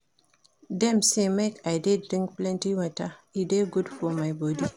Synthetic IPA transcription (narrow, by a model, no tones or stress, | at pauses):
dɛ̃msemekʰaɪdeddɹĩŋk̚plɛ̃ntiwɔtaideɡudfɔmaɪbɔdi